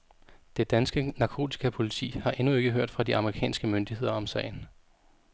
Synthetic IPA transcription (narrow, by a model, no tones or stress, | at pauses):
d̥e̝d̥ænsɡ̥ənɑ̈kʰo̝̰ːt͡sʰi̥kʰæpʰo̝lit͡sʰḭːhɑ̈ʔe̝nue̝ɡ̥əɦøɐ̰d̥fʁɑd̥iɑ̈məʁikʰɛ̰ːnsɡ̥əmønd̥iɦhe̝ð̞̰ˠɐɒ̽msɛ̰ɪ̰n̩